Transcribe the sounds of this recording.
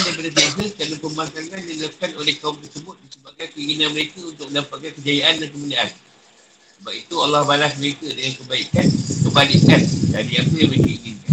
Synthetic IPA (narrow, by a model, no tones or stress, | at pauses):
adajp̬adəs̬iaɦəkanapəmasaŋandiləkanolɛhkauŋt̪ərsəbʊt̪̚disəbap̚kankəiŋinãnməɾekəunt̪ʊk̚məndampaʔ̪̚kankəd͡ʒajaʔandankəmudaan | səbap̚it̪ualːahbalasməɾekadaŋaŋkəbaikankəbalikandadianpəjaməɾekəiŋinkan